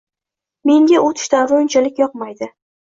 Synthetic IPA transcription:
me̞ŋɡʲaot̪ʰɪ̥ʃt̪anɾont͡ʃʰalɪkʲjɒq̚majd̪ɪ

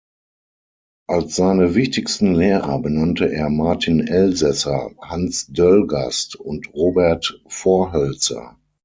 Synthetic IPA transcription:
ʔalsz̥aɪnəvɪçtɪkstn̩leːʁɐ̰bənantʰəʔeːɐmaɐtʰɪnɛlzɛsɐhansdœlɡa̰stʊntʁoːbɛɐtfoɐɦœlt͡sɐ̰

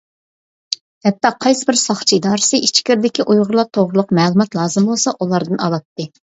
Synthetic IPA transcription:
hɛp̚t̪ːɑqʰɑjsɨbɪɾsɑχt͡ʃʰiid̪ɑːɾɨsɨit͡ʃʰkʲiɾd̪ɪkʲiʔujʁʊɾlˠɑt̪ʰoʁɾʊlˠʊqmɛːlˠumɑt̪lˠɑːzɨmbolˠsɑʔulˠɑɾd̪ɨnɑlˠɑt̪ːɨ

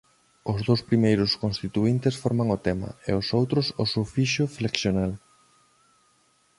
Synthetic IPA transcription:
ʊzðowspɾimejɾʊskonst̪it̪uint̪ɪsfɔɾmaŋʊt̪ɛmɐ̰ḛosowt̪ɾʊsʊsewfiʃʊfleksjonal

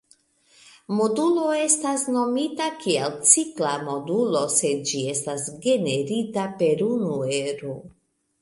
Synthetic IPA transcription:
mo̞dulo̞e̞stasno̞mitakielt͡siklamo̞dulo̞se̞d̚d͡ʒie̞stasɡe̞ne̞ɾitape̞ɾunue̞ɾo

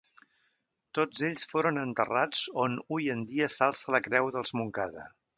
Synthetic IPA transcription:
t̪od͡zeʎsfoɾənənt̪ərad͡zonujənd̪iəsalˠsələkɾɛwðəlˠzmuŋkaðə̰

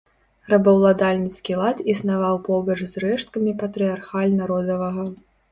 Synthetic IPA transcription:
rɐbɐwlˠad̪alʲnʲit̪skʲilˠat̪isnavawpɔbɐt͡ʂzrɛʂt̪̚kɐmʲipɐt̪ɾɨjarxalʲnaɾɔd̪ɐvɐɣɐ

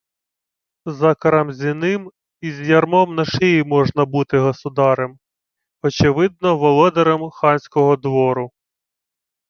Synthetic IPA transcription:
zɐkɐɾɐmzʲinɪm | izʲjɐrmɔmnɐʃɪjimɔʒnɐbut̪ɪɦɔsʊd̪ɑɾem | ɔt͡ʃɪʋɪd̪̚nɔʋɔlˠɔd̪ɐɾɐmxɑnʲsʲkɔɦɔd̪ʋɔɾʊ

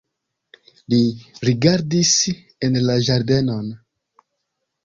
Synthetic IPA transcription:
liɾiɡaɾdis | enlaʒaɾde̞no̞n

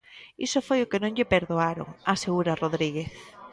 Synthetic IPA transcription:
isofojʊkɪnõŋʎɪpeɾðoaɾo̰ŋaseɣuɾaroðɾiɣ̞eθ

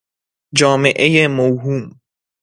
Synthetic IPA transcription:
d͡ʒɒːmeʔejemowɦuːm

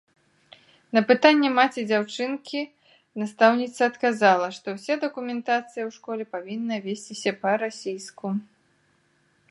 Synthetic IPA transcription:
nɐpɨt̪anʲːɛmat͡sʲid͡zʲawt͡ʂɨnkʲi | nast̪awnʲit̪sɐːt̪kazalˠɐʂt̪ɔwsʲad̪ɐkumʲɛnt̪at̪sɨjɐwʂkɔlʲɛpavʲinːɐvʲesʲt͡sʲisʲɐpɐɾasʲijsku

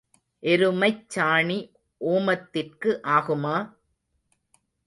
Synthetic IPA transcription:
ʔɛɾɯmɐɪt͡ʃːaːɳi | ʔoːmɐt̪ːɪrkɯʔaːɣɯmaː

